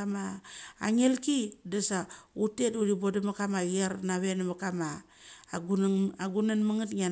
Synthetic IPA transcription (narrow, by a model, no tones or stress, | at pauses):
ama̰ːŋelkidasautetuɾibodamakamaɣiaɾnaβenamakama | aɡunanmaŋatŋa